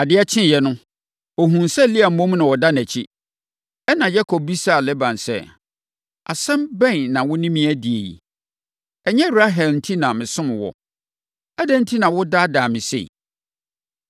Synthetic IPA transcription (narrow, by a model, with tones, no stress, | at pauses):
a˨dɪ˦ɛ˦t͡ɕʰɪ̃˦˨jɛ˨nʊ̃˦ | o˨ɦũ˨nsɛ˦˨li˦a˨m̩˨mɔ̃˦m˦nã˨wɔ˨da˦næ̃˨t͡ɕʰi˦ | ɛ˦nã˨jɛ˦kʰɔ˨b̚bi˦sa˦˨lɛ˦bã˨nsɛ̰˦ | a̰˨sɛ̃˦mbɛ̃˦˨nnã˨wʊ˦nĩ˦mĩ˦æ˦di˨e˨jḭ˨ | ɛ˨ɲɛ̃˦bɾa˦ɦɛ˨ln̩˦tʰi˦nã˨mɪ̃˨sʊ̃˦mɪ̃˨wɔ̰˨ | ɛ˦dɛ˦n̩˦tʰi˦nã˨wʊ˦da˦daː˨mɪ̃˨sḛ˦˨